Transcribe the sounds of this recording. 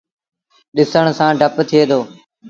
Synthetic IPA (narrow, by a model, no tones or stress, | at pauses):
ɗɪsəɽ̃sãːɖʱəpt̪ʰɪeːd̪oː